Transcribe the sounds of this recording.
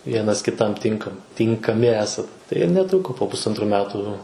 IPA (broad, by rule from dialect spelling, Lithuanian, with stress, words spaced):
ˈʋʲiɛnɐs kʲɪˈtɐm ˈtʲɪŋkɐm tʲɪŋkɐˈmʲɪ ˈæːsɐt tɐɪ ɪr nʲɛˈtrʊkoː poː pʊsˈɐntruː ˈmʲæːtʊ